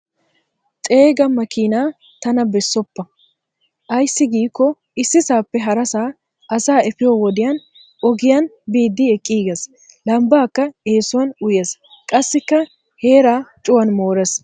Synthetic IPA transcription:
t͡ʃʼe̞ːɡɐmɐkinaː | t̪ɐnɐbɛsːɔpːɐ | ʔɐjsːɪɡiːkːɔ | ʔɪsːɪsaːpːɛɦɐɾɐsaː | ʔɐsaːɛfɪjoːwɔd̪ɪjɐn | ɔɡɪjɐn | biːd̪ːɪɛkʼːiːɡɛs | lɐmbaːkːɐe̞ːsːʊwɐnʊjes | kʼɐsːɪkːɐ | he̞ːɾaːt͡ʃʼʊwɐnmo̞ːɾɛs

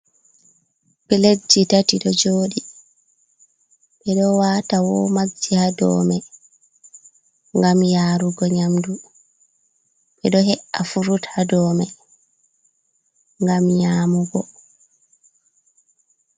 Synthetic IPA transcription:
ɓɛled͡ʒːitatiɗɔd͡ʒoːɗi | ɓɛɗɔwaːtawɔmaihadɔ̰ːmɛ | ŋɡamjaːɾuɡɔɲamdu | ɓɛɗɔɦɛʔafuɾuthadɔːmɛ | ŋɡamɲaːmuɡɔ

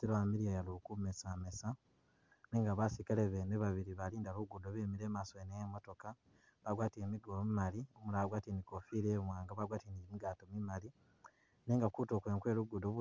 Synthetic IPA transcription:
tiɾoamiɾijajalukumesamesa | neːŋɡaβasikaleβeneβaβiɾiβaliːndaβuɡudoβemiɾeːmasoenejemo̞to̞ka | βaɡwaːtiemiɡolomimaliomulaɡwaːtenikofiɾemwaːŋɡaβaɡwaːtieniimiɡaːtomimali | neːŋɡakuto̞kweːŋkwe̞ːluɡudoβu

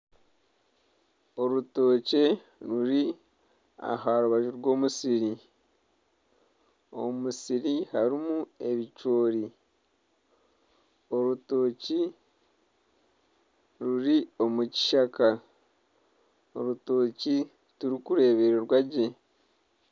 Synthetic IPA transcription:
o̞ɾuto̞ːce̞ | ɾuɾi | a̰ɦaɾuβaʒuɾɡo̞ːmusiɾi | o̞̰musiɾihaɾimue̞βit͡ʃo̞ːɾi | o̞ɾuto̞ːci | ɾuɾio̞muci̥ʃaka | o̞ɾuto̞ːci | tuɾikuɾe̞ːβe̞ɾoɾwaɟe̞

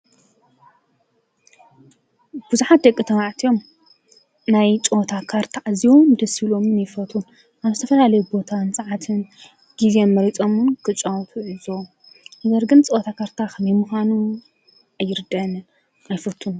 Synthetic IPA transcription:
b̥uzuħat̪̚d̪ɐkʼːit̪ʰɐβaʕt̪ʰijo̞m | najt͡ʃʼot̪ʰakʰaɾt̪ʰaʔaziwomd̪ɐsilomɨnjɪfɐt̪ʰun | aβzɨt̪ʰɐfɐlalɐjubo̞t̪ʰansʼɐʕat̪ʰɨn | ɡ̥izenmɐɾit͡sʼo̞munkʰɨt͡ʃʼawt̪ʰuʕizo | nɐɡɐɾɡɨnt͡sʼot̪ʰakʰaɾt̪ʰaxmimuxanu | ajːɪɾd̪ɐnɨn | ʔajfɐt̪ʰːun

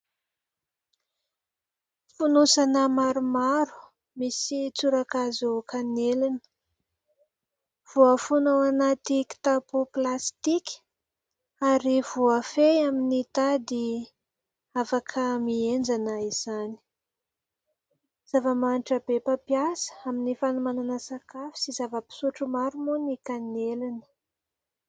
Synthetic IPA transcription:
funusanəmaɾumaɾu̥ | misit͡suɾakazukʰanelinə̥ | v̥uəfunoanat̪iki̥t̪apuplast̪ikʲ | aɾivuafejaminit̪ad̪i | afakʰəmiend͡ʒanaiz̥ani̥ | z̥avəmaniʈ͡ʂabepapiasə̥aminifanumananəsakafi̥sizavəpi̥suʈ͡ʂumaɾumunikanelinə̥

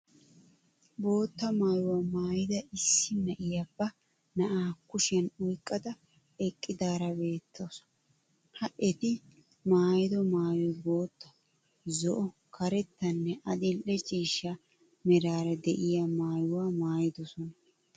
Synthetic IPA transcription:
bo̞ːt̪ːɐmaːjʊwaːmaːjɪd̪ɐʔɪsːɪnɐʔɪjɐbːɐ | nɐʔaːkʊʃɪɐnʊjkʼːɐd̪ɐ | ɛkʼːɪd̪aːɾɐbe̞ːt̪ːos | hɐʔɛt̪ɪ | maːjɪd̪ɔmaːjɔjbo̞ːt̪ːɐ̥ | zɔʔɔ | kʰɐɾɛt̪ːɐnːɛʔɐd̪ɪlʔɛt͡ʃʼiːʃːɐ | mɛɾaːɾɐd̪ɛʔɪjɐmaːjʊwamaːjɪd̪ɔsɔnɐ

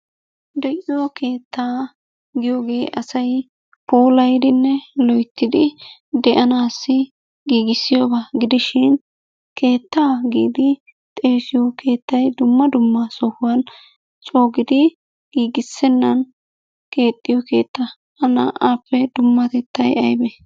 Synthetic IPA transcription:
d̪ɛʔɪjɔkʰeːt̪ːaː | ɡɪjoːɡe̞ːʔɐsɐj | puːlɐjd̪ɪnːɛlɔjt̪ʰːɪd̪ɪd̪ɛʔɐnaːsːɪ | ɡiːɡɪsːɪjobaɡɪd̪ɪʃɪn | kʰe̞ːt̪ːaːɡiːd̪ɪ | t̪ʼe̞ːsɪjɔkʰe̞ːt̪ːɐjd̪ʊmːɐd̪ʊmːɐsɔhʊwɐn | t͡ʃʼo̞ːɡɪd̪ɪ | ɡiːɡɪsːɛnːɐn | ke̞ːt̪ʼːɪjɔke̞̰ːt̪ːɐ | ɐnɐ̰ʔaːpːɛd̪ʊmːɐt̪ɛt̪ːɐjɐ̰jbɛ

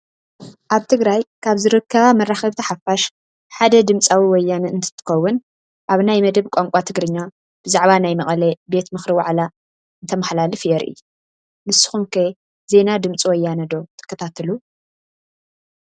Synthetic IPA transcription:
ʔaβt̪ʰɨɡɾajkʰaβzɨɾɨkːɐβamɐrːaxɐβt̪ʰɐħafaʃ | ħad̪ɐd̪ɨmt͡sʼawiwɔjːanɨɨnt̪ʰɨ̥t̪ʰɨ̥xɐwːʊn | ʔaβnajmɐd̪ɐβkʷʼoŋkʷʼat̪ʰɨɡɾɨɲːa | b̥ɨzaʕβanajmɐχʼɐlɐbe̞t̪mɨxɾiwa̰ʕla | ɨnt̪ʰɐmɐħlalɨfjɛɾʔḭ | mɨsɨ̥xunkʰɐ | ze̞nad̪ɨmt͡sʼiwɔjːanɐd̪o̞t̪ʰɨ̥kʰːɐt̪ʰat̪ʰɐlu

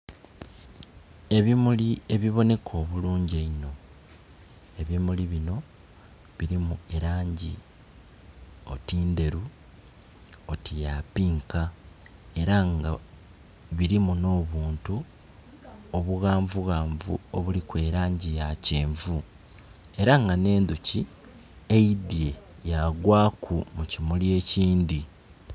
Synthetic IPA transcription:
e̞βimulie̞βiβo̞ne̞kʰo̞ːβuluːɲɟeino̞ | e̞βimuliβino̞ | βiɾimue̞ɾaːɲɟi | o̞̰tiːnde̞ɾu | otijapiːŋka | e̞ɾaŋɡa | βiɾimuno̞ːβuːntu | o̞βuɣaːɱvuɣaːɱvṵoβulikwe̞ːɾaːɲɟijaceːɱvu | e̞ɾaŋɡane̞ːnd̪uci | eidje̞ | jaɡwaːkʰumucimulje̞ːciːndi

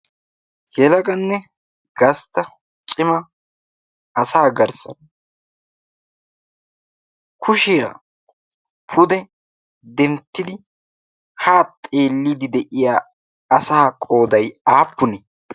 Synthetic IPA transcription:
jɛlɐɡɐnːɛ | ɡɐst̪ɐ | t͡ʃʼɪmɐ | ɐsaːɡɐɾsɐ̰n | kʰʊʃɪja | pʰʊd̪ɛ | d̪ɛnt̪ːɪd̪ɪ | haːt̪ʼe̞ːlːɪd̪ɪd̪ɛʔɪjaː | ɐsaːkʼo̞ːd̪ɐjaːpːʊnɛ

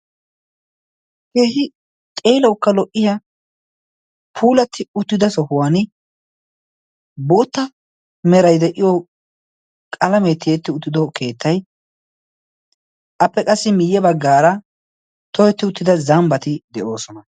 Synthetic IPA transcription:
keːhɪ | t̪ʼe̞ːlɐwkːɐlɔʔːɪjɐ | pʰuːlɐt̪ʰːɪʊt̪ːɪd̪ɐsɔhʊwaːn | boːt̪ːɐ | mɛɾɐjd̪ɛʔɪjɔ | kʼɐlɐmeːt̪ːɪjet̪ːɪʊt̪ːɪd̪ɔkʰe̞ːt̪ʰːɐj | ʔɐpːɛkʼɐsːɪmɪjːɛbɐɡːaːɾɐ | t̪ɔjɛt̪ːɪʊt̪ːɪd̪ɐzɐmbɐt̪ɪd̪ɛʔo̞ːsɔnɐ

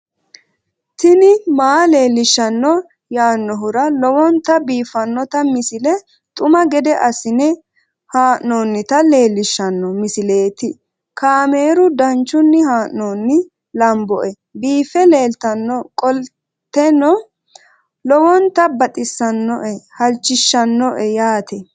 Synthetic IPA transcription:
t̪ɪnɪmaːle̞ːlːɪʃːɐnːɔ | jaːnːɔɦʊɾɐlɔwɔnt̪ːɐbiːfɐnːɔt̪ɐmɪsɪlɛ | t̪ʼʊmɐɡɛd̪ɛʔɐsɪnɛ | haːʔnoːnːɪt̪ɐle̞ːlːɪʃːɐnːɔmɪsɪle̞ːt̪ɪ | kaːme̞ːɾʊd̪ɐnt͡ʃːʊnːɪhaːʔnoːnːɪ | lɐmbɔ̰ʔɛ | biːfɛle̞ːlt̪ɐnːɔkʼɔl | t̪ːɛnːɔ | lɔwɔnt̪ɐbɐt̪ʼɪsːɐnːɔʔɛhɐlt͡ʃːɪʃːɐnːɔʔɛjaːt̪ʰɛ

